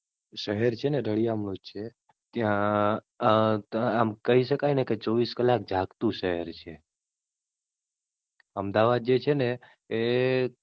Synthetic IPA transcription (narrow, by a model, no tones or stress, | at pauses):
ʃəɦɛɾt͡ʃʰeneɾəɭiamɽod͡ʒt͡ʃʰe | t̪jã | amkəɦiʃəkajneket͡ʃɔʋiskəlak̚d͡ʒʱakt̪ũʃəɦɛɾt͡ʃʰe | əmd̪aʋad̪̚d͡ʒet͡ʃʰeneː